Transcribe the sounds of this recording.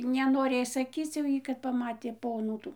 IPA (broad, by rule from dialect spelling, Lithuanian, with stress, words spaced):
nʲɛnoːˈrʲeːj sɐˈkʲiːt͡s jɛʊ ˈjiː kɐt pɐˈmɑːtʲeː ˈpoːnuː ˈtuː